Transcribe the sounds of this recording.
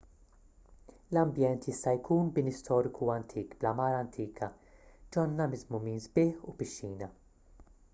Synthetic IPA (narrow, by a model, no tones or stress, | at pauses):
lɐmbjɛnt̪jɪst̪ɐjkʰuːnbɪnɪst̪ʰɔːɾɪkʰuɐnt̪ʰiːkblɐmɐːɾɐnt̪ʰiːkʰɐ | d͡ʒɔnːɐmɪzmʊmiːnzbɪːħupɪʃːiːnɐ